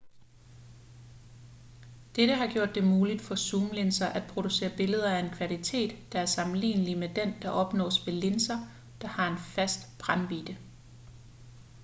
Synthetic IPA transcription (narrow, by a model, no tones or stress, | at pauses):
d̥eɾ̥əɦɑ̈ɡ̥jo̝ɐ̰d̥ːe̝muːlid̥fɒ̽suːmle̝nsɐʔæd̥̚pʰʁo̝d̥use̝̰ːɐb̥e̝ləð̞ˠɐæe̝nkʰʋælit͡sʰe̝̰ːd̥ːɑ̈æɐsɑ̈mn̩lḭːnəlimed̥end̥ɑ̈ʔɒ̽b̥nɒ̰ːsʋe̝le̝nsɐ | d̥ɑ̈hɑ̈e̝nfæsd̥b̥ʁanʋiːd̥ə